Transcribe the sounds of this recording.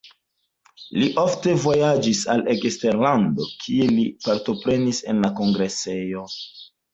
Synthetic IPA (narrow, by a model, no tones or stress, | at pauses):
liʔofte̞vo̞jad͡ʒisalekste̞ɾlando̞kʰie̞lipaɾto̞pɾe̞nise̞̰nlako̞ŋɡɾe̞se̞jo̞